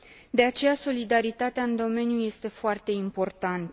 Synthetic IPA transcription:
d̪e̞at͡ʃe̞jaso̞lid̪aɾit̪at̪eaɨnd̪o̞me̞njuje̞st̪e̞foart̪e̞impo̞rt̪ant̪ə

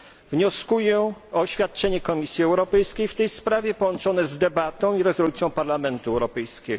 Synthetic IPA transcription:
vɲɔskujɛɕfʲat̪̚t͡ʂɛɲɛkɔmʲisʲjiɛwɾɔpɛjskʲejft̪ɛjspɾavʲjɛpɔwɔnt͡ʂɔnɛzd̪ɛbat̪ɔ̃w̃iɾɛzɔlut̪sʲjɔ̃w̃paɾlamɛnt̪uɛwɾɔpɛjskʲɛɡɔ

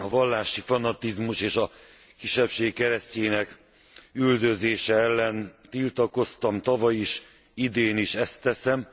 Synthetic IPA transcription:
ɒvɒlːaːʃifɒnɒt̪izmuʃeːʃɒ | kiʃːɛpʃeːkːɛɾɛsceːnɛk | yld̪ø̞zeːʃɛɛlːɛnt̪ilt̪ɒko̞st̪ɒmt̪ɒvɒjiʃ | id̪eːniʃɛst̪ːɛsɛm

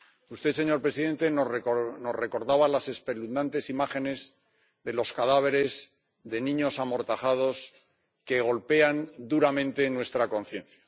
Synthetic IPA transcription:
ust̪e̞se̞ɲo̞ɾpɾe̞siðe̞nt̪e̞no̞re̞ko̞ɾðaβalase̞spe̞lund̪ant̪e̞simaχe̞ne̞z | ðe̞lo̞skaðaβ̞e̞ɾe̞z | ðe̞nĩɲo̞samo̞ɾt̪aχað̞o̞s | ke̞ɣ̞o̞lpe̞and̪uɾamẽ̞nt̪e̞nwe̞st̪ɾako̞nθje̞nθjḁ

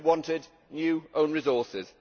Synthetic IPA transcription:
wɒ̃ntɪdⁿ | njʉːʔõʊ̃nɹɪzɔˑsɪz̥

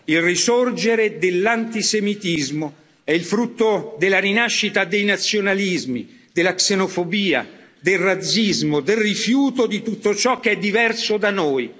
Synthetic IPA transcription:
ilrisord͡ʒeɾed̪elːant̪isemit̪izmo | ɛilfɾut̪ːod̪elaɾinaʃːit̪ad̪ejnat̪sːjonalizmḭ | d̪elaksenofobiːa̰d̪elrad̪zːizmod̪elrifjuːt̪od̪it̪ut̪ːot͡ʃɔk̟ːɛd̪ːivɛrsod̪anoːj

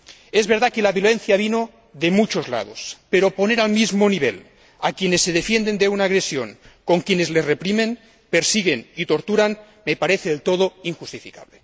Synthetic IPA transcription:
ezβeɾðakelaβjolenθjaβino | ðemut͡ʃozla̰ð̞o̰speɾoponeɾalmizmoniβ̞ḛl | akjenesːeð̞efjend̪end̪eunaːɣ̞ɾesjoŋkoŋkjenezlezrepɾimen | peɾsiɣenit̪oɾt̪uɾan | mepaɾeθeðelt̪oð̞oiŋxust̪ifika̰βle

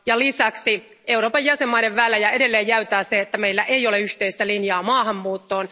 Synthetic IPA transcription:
jɑlisɑksi | e̞uɾo̞ːpɑjːæsemːɑide̞ʋːæːlːæjɑe̞de̞lːeːjːæyt̪æːseet̪ːæme̞ilːæʔejoleyht̪eist̪ælinjɑːmɑːɦɑmːuːt̪ːo̞ːn

